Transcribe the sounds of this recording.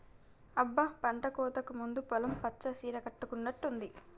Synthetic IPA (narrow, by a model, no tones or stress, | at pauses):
ɐbːɐpɐɳʈɐkɔːt̪ɐkumund̪upɔlɐmpɐt͡ʃːɐsiːɾɐkɐʈːukunːɐʈːund̪i